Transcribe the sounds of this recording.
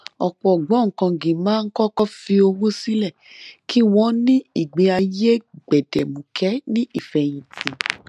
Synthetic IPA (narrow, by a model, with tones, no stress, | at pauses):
ɔ˨k͡pɔ˨ɡ͡bɔ˨˦ŋ̩˨kã˧ɡĩ˨mãː˦n̩˦kɔ˦kɔ˦fi˧o˧wõ˦si˦lɛ˦˨ki˦w̃ɔ̃˦nĩ˦i˦˨ɡ͡be˨˧˦a˧je˦ɡ͡bɛ˨dɛ˨mũ˨kʰɛ˨˦nĩ˦ʔi˦˨fɛ˨j̃ĩ˨tĩ˨